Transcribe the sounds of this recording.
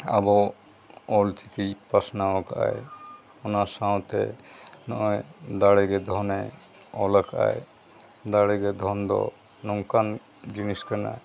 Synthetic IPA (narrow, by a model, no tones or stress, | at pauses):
a̰bɔ | ɔlt͡ʃik̪ipasnawɔka̰j | ɔnasaw̃t̪ɛ̰nɔʔɔd̪aɽɛɡɛd̪ʱɔnɛ | ɔləkʰa̰j | d̪aɽɛɡɛd̪ʱɔnd̪ɔ̰ | nɔŋkan | d͡ʒiniskana̰j